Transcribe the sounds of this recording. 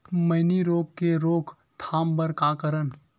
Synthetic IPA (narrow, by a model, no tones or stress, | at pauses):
mɐɪniɾoːɡ̚keɾoːkʰ | t̪ʰaːmbəɾkaːkəɾən